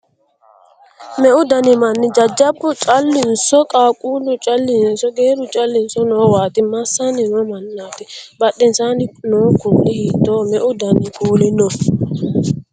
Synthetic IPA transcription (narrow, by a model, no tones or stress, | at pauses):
mɛʔʊd̪ɐnɪmɐnːɪd͡ʒɐd͡ʒːɐbːʊt͡ʃʼɐlːɪnsɔkʼaːkʼuːlʊt͡ʃʼɐlːɪnsɔɡeːɾʊt͡ʃʼɐlːɪnsɔnoːwaːt̪ɪmɐsːanɪnɔmɐnːaːt̪ɪbɐɗːɪnsaːnɪnoːkuʔɛhiːt̪ːoːmɛʔʊd̪ɐnɪkuːlɪnɔ